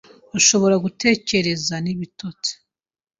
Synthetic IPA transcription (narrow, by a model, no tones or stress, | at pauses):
aʃo̞βo̞ɾaɡute̞ːce̞ɾe̞zaniβitot͡se̥